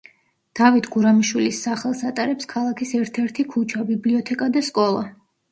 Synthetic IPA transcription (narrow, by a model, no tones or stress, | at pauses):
d̪̥avit̪ʰɡ̥uɾamiʃwilisːaχɛlˠsat̪ʼaɾɛpskʰalˠakʰisɛɾt̪ʰɛɾt̪ʰikʰut͡ʃʰabibliɔt̪ʰɛkʼad̪askʼɔlˠa̰